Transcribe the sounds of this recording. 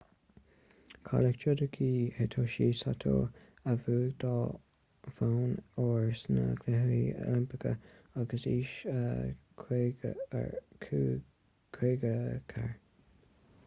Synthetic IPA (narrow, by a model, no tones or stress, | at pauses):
kʰɔ̰ləkt͡ʃod̪əkʰiːhet̪ʰoːʃiːsat̪ʰo̰ | əvuːɡd̪ɑː | fawnoːɹsnəɡlɪɦiɛ̰lɪmpɪkʰə̰aɡəsiːʃəkʰːɡʰ | kʰɾeɡəkʰaɹ